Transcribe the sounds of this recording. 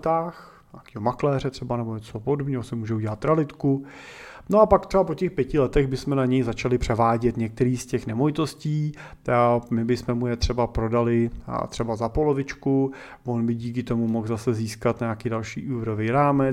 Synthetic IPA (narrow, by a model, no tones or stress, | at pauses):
t̪aːx | ɲaːkiːɦomaklɛːrɛt̪r̥ɛbanɛboɲɛt͡sopodobɲɛɦosɪmuːʒɛuɟɛlat̪ːɾalɪt̪ku | noapak̚t̪rɛbapocɛxpjɛcɪlɛt̪ɛɣbɪsmɛnaɲɛjzat͡ʃalɪpr̥ɛvaːɟɛt̪ɲɛk̚t̪ɛɾiːscɛxnɛmojɪt̪o̞sciː | mɪbɪsmɛmujɛt̪r̝̥ɛbapɾo̞dalɪt̪r̥ɛbazapo̞lovɪt͡ʃku | vo̞nbɪɟiːkɪt̪o̞mumoxzasɛziːskat̪ɲaakiːdalʃiːʔuːvɾovijɾaːmɛ